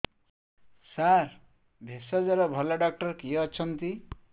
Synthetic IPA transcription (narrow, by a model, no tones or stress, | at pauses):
sar | bʱesad͡zʌɾʌbʱʌlaɖak̚ʈʌrkiʌt͡sʰʌnt̪i